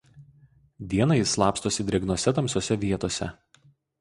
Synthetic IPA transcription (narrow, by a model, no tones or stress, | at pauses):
d̪ʲiɛnɐɪslˠɑːpst̪oːsʲɪd̪ʲɾʲɪɛɡnoɔsʲɛt̪ɐmsʲoɔsʲɛʋʲiɛt̪oːsʲɛ̰